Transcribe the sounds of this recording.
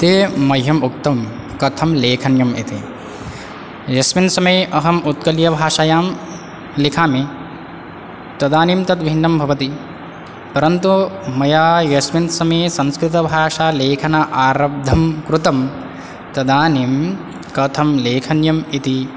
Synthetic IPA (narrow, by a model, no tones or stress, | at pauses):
t̪eːmɐjɦɐmuk̚t̪ɐm | kɐt̪ʰɐmleːkʰɐnjɐmḭt̪i | jɐsminsɐmɐjɐɦɐmut̪̚kɐljɐbʱaːʂɐjaːm | likʰaːmi | t̪ɐd̪aːniːmt̪ɐt̪bʱinːɐmbʱɐʋɐt̪i | pɐɾɐnt̪umɐjaːjɐsminsɐmeːsɐ̃nskɾit̪ɐbʱaːʂaːleːkʰɐnaʔaːɾɐb̚d̪ʱɐmkɾut̪ɐm | t̪ɐd̪aːniːm | kɐt̪ʰɐmleːkʰɐnjɐmit̪i